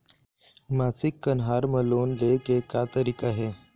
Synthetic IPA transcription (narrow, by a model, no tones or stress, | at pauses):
maːsɪkːənɦaːɾməloːnlekekjaːt̪əɾiːkaɦeː